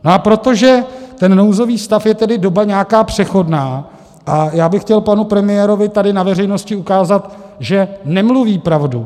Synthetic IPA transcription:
noʔapɾo̞t̪o̞ʒɛt̪ɛnːowzo̞viːst̪afjɛt̪ɛdɪdo̞baɲɛakaːpr̥ɛxo̞dnaː | ʔajaːbɪxːcɛlpanupɾɛmɪjɛːɾo̞vɪt̪adɪnavɛrɛjno̞scɪukaːzat̪ | ʒɛnɛmluviːpɾavdu

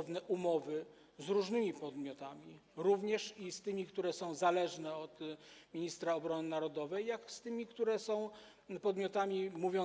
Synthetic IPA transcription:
vnɛʔumɔvɘ | zɾuʐnɘmʲipɔd̪mʲjɔt̪amʲiɾuvɲɛʂist̪ɘmʲikt̪uɾɛsɔ̃w̃zalɛʐnɛɔt̪mʲiɲist̪ɾaɔbɾɔnɘnaɾɔd̪ɔvɛjːakst̪ɘmʲikt̪uɾɛsɔ̃w̃ | pɔd̪mʲjɔt̪amʲimuvʲjɔ

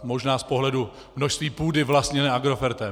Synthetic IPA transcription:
mo̞ʒnaːspo̞ɦlɛdu | mnoʃst̪viːpuːdɪvlast̪ɲɛnɛːʔaɡɾofɛɾt̪ɛ

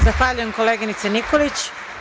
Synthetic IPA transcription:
zaxʋaːʎuje̞mko̞leːɡinit̪senikolit͡ɕ

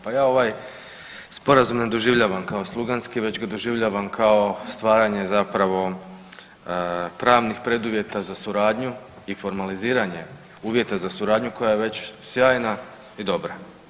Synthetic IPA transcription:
pajaːo̞ʋaːj | spo̞ɾazumne̞d̪oʒiʋʎaʋamkao̞slˠuɡanskiʋe̞t͡ɕɡad̪o̞ʒiʋʎaʋamkʰao̞st̪ʋaːɾaɲe̞zapɾaʋo̞ | pɾaːʋnixpɾe̞d̪uʋje̞t̪azasuɾaːd̪ɲu | ifo̞ɾmaliziːɾaɲe̞ | uːʋje̞t̪azasuɾaːd̪ɲuko̞jajeʋe̞t͡ɕsjaːjna | id̪o̞bɾa

